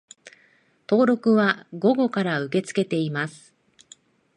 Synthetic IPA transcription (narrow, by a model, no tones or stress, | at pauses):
t̪o̞ːɾo̞kɯ̟βaɡo̞ɡo̞kaɾaɯ̟ke̞t͡sɨ̥ke̞t̪e̞imasɨ̥